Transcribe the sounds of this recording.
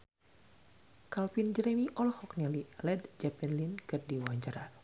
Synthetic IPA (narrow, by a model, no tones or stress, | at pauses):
kalpind͡ʒɾɛmiʔɔlhɔknɛlilɛdd͡ʒapɛnlinkɨrdiwaɲt͡ʃaɾa